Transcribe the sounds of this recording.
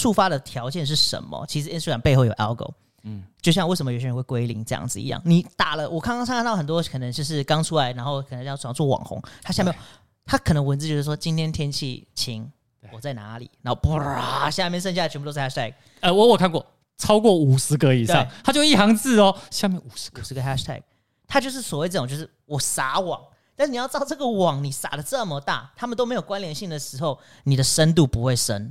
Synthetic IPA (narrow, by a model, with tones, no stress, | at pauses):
ʂu˥˩fa˥d̪ə˨t̪ʰjɑ˧˥ʊt͡ɕjɛ˥˧nʂ̬ɻ̩˥˩ʂə̰˧˦nmə̰˧t͡ɕʰi˧˥ʂ̬̩˨˩i˥nsu˥˩a˨˩npe˥˧ɪxo˥˩jo˨˩ʔɛ̰˦˥ʊko̰˨˧ʊ | t͡ɕjo˥˧ɕjɑ˥˧ŋwe˥˩ɪʂə˧˦məjɕɛ˧˥xwe˥˩kwe˥ɪlḭ˧˥ŋʈ͡ʂɤ˥˧jɑ̰˥˩ŋd͡zɹ̩˨ḭ˧˥jɑ̰˥˩ŋni˨˩˦t̪a˨˩lə˦wʔɔ˨˩kʰa˥ŋkŋsŋʰ˥˧nɑ˥˩xə˨˩nt̪wɔ˥kʰɤ˨˩nə˧˦ŋo˥˧ʂ̬ɻ̩˥˩kɑ˥ŋʈ͡ʂʰu˥la˧˥ɪna˧˥nxo˥˩ʊkʰə˨˩nə˧˦ŋjɑ˥˧ʊ˥˨˩t͡swɔ˥˩wɑ̰˨˩ŋxʊ̰˦ŋt̪ʰa˥ɕja˥˧j | t̪ʰa˥kʰɤ˨˩nə˧˥ŋwə˧nt͡s̩˧˥˧jo˥˧˩ʂ̩˥˩wɔ˥t͡ɕi˥nt̪ʰjɛ˥nt̪ʰjɛ˥nt͡ɕʰḭ˥˩t͡ɕʰi˧˥ŋ | wɔ˨˩t͡sa˥˩ɪna̰˧˥lḭ˨˩n˨˧˦nxo˥˩ʊpɕja˥˧mjɛ˥˧nʂ̬ə˥˧n̬ɕa˥˧˨t͡ɕʰpu˧o˥˩ɛ˥t̪ʰɛ˥˩k̚ | ə˧wɔ˧˥wɔ˨˩kʰa˥˧nkwɔ̰˥˩ | t͡sʰɑ˥ʊkwɔ˥˩u˨˩ʂɻ̩˧˥kə˧˦i˨˩ʂɑ̰˥˨ŋt̪ʰa˥t͡ɕjo˥˧ʊi˥˩ɑ˧˥ŋt͡sɹ̩˥˩ɔ˨ɕja˥˧mjɛ˥˨nu˨˩ʂʂ̩˧˥ɡə˧xæ˥ʂt̪ʰɛ̰˥˩k̚ | t̪ʰa˥t͡ɕjo˥˧ʊʂ̬ɻ̩˥˩swɔ˨˩we˥˧ɪʈ͡ʂə˥˩˨t͡ɕjʊʂ̩˥˩wɔ˨˩sa˨˥˦wɑ̰˨˩˦ŋ | t̪a˥˧ʂɻ̩˥ni˨jɑ˥˧ʊʈ͡ʂɑ˥˧ʊʈ͡ʂɤ˥˩ɡə˨wɑ˨˩˦ŋni˨˩sa̰˨˩d̪ə˦t͡sə˥˩mə˨t̪a̰˥˩t̪ʰa˥mə˨t̪o˥me˧˥ɪjo˨˩kwa˦nljɛ˨˥˦nɕi˥˩ŋd̪ə˩ʂɻ̩˧˥xo˥˩ʊ | ni˨˩d̪ə˦ʂə˥nt̪̬u˥˨˩pu˧˥xwe˥˩ɪʂə̰˥n